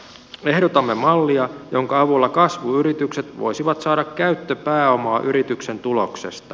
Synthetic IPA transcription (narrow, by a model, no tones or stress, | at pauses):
e̞hdot̪ɑmːe̞mɑlːiɑjo̞ŋkɑɑʋulːɑkɑsʋuyɾit̪ykse̞t̪ʋo̞̰jsiʋɑt̪sɑːdɑkkæyɥt̪ːøpæːomɑːʔyɾit̪ykse̞nt̪ulo̞kse̞̰st̪ɑ